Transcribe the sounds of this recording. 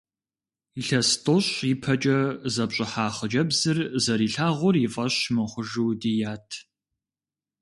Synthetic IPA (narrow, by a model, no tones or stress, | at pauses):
iɬɐstʼoɕiɪpʰɐt͡ʃʼɐzɐpɕʼɪħaːχəd͡ʒɐbzɨrzɐɾiːɬaːʁʷɔrifʼɐɕmɨχʷʊʒuːdijaːtʰ